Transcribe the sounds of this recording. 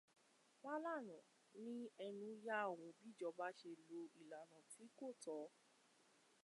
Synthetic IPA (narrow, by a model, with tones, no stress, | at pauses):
wa˦la˦˨nã˨ | nĩ˦ɛ˧nũ˧ja˦˨wũ˨˦bi˦˨d͡ʒɔ˧ba˦ʃe˧lo˧i˨la˨ñã˨ti˨˦ko˦˨tɔ˨˦